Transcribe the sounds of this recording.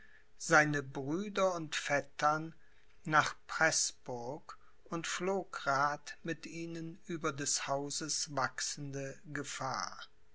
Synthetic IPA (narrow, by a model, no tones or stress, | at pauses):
z̥aɪnəbʁyːdɐʊntfɛtʰɐnː | aːχpʁ̥ɛsb̥ʊɐk | ʔʊntfloːkʁaːtmɪtʔiːnənʔyːbɐdɛshaʊzəsv̥aksn̩dəɡəfa̰ːɐ